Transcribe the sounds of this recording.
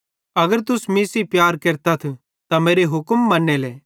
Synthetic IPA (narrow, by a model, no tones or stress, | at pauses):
ɐɡəɾt̪ʊsmisipjaːɾkeːɾt̪at̪ʰ | t̪ameːɾeɦʊkmːɐnːeleː